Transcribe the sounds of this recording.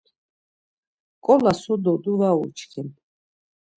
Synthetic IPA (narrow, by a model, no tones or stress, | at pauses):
kʼɔlasɔd̪ɔd̪uvaut͡ʃʰkʰin